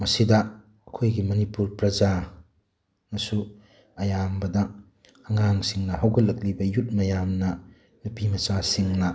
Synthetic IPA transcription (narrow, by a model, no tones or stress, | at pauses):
mɐsidɐ | ɐkʰojɡimɐnipuɾpɾɐza | nɐsu | ɐjambɐdɐ | ɐŋaŋsiŋnɐɦawɡɐlːɐk̚libɐjut̚mɐjamnɐ | nupimɐsasiŋnɐ